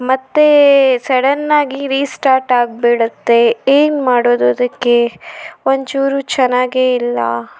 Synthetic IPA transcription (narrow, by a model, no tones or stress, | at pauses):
mɐt̪ːesɐɽɐnːaːɡiɾiːsʈaːɾʈaːɡ̚beɽut̪ːe̞eːnmaːɽoːd̪oːd̪ɐkːe̞ont͡ʃuːɾut͡ʃɛnːaːɡeːilːɐ̰